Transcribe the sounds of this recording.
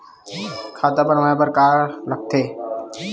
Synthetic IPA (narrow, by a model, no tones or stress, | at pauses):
kʰaːt̪apəɾmaẽbəɾkaːɾlək̚t̪ʰeː